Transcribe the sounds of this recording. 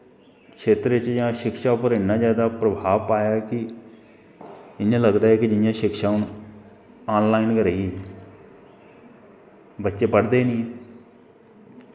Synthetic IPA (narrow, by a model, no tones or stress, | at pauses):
kʃeːt̪ɾet͡ʃjãːʃɪkʃaːpəɾɪnːãːzjaːd̪aːpɾəbʱaːʋpaːjaːkɪ | ɪnjãːləɡd̪aːɦɛːkɪd͡ʒɪjãːʃɪkʃaːʊn | aːnlaːinkəɾəːiɛ | bətːʃeːpəɽd̪eːnĩːɛː